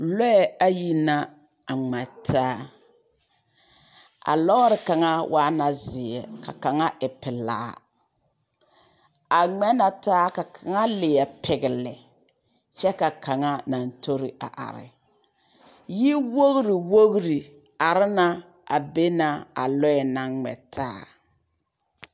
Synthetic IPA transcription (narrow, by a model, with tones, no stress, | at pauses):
lɔ˦ɛ˨a˦ji˦na˦ | a˨ŋ͡mɛ˨tʰaː˦ | a̰˨lɔ˦ɾɪ˨ka˨ŋa˦wʔaː˦na˨zɪ˨ɛ˨ka˨ka˨ŋa˦ʔɪ˨pɪ˨la̰ː˦ | a˨ŋ͡mɛ˦na˨taː˦ka˨kʰa˨ŋa˦lɪ˨jɛ˨pʰɪ˨ɡɪ˨lɪ˨ | t͡ʃɛ˦ka˨kʰa˨ŋa˦na˨ntʰo˦ɾɪ˨a̰˨ʔa̰˨ɾɪ̰˨ | ji˦wo˦ɣɾi˨wo˦ɣɾi˨ | a˨ɾɪ˦na˦ | a˨be˦na˨a̰˨lɔ˦ɛ˨na˦ŋ͡mɛ̰˨tʰaː˦